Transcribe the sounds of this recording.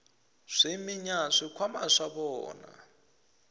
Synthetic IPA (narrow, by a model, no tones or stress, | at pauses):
ʂemiɲaʂikʰwamaʂaβɔːna̰